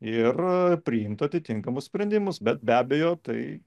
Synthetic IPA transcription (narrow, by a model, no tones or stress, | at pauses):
ɪrpʲɾʲɪɪmt̪ɐt̪ʲɪt̪ʲɪŋkɐmʊssʲpʲɾʲɛnʲd̪ʲɪmʊsbʲɛt̪̚bʲæːbʲejoːt̪ɐɪ